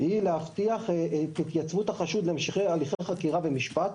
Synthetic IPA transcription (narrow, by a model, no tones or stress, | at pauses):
hileaft̪iaχet̪it̪jat͡svut̪haχaʃud̪lemʃeχejaliχejχakiʁavemiʃpat